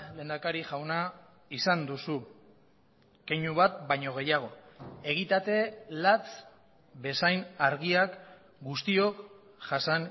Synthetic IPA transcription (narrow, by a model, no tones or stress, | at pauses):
le̞ːnd̪akaɾiʝawna | isand̪usu | keɲuβat̪̚bajɲo̞ɣ̞e̞jaɣ̞o̞e̞ɣ̞it̪at̪e̞lat͡s | be̞sajnaɾɣ̞iak | ɡust̪io̞k | ʝasan